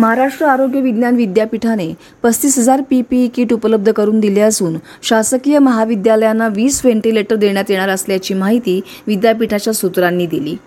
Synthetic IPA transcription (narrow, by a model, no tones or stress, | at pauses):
məɦaɾaʂʈɾəaɾoɡjəʋid̪njanʋid̪japiʈʰane | pəst̪iːsɦəd͡zaɾpipiːkiːʈupələb̚d̪ʱəkəɾuːnd̪ileəsuːn | ɕasəkijəməɦaʋid̪jaləjanːaʋiːsʋeɳʈileʈəɾd̪eɳjat̪jeɽ̃aɾəsljat͡ɕiːmaɦit̪iː | ʋid̪japiʈʰat͡ɕjasut̪ɾanːiːd̪ilḭː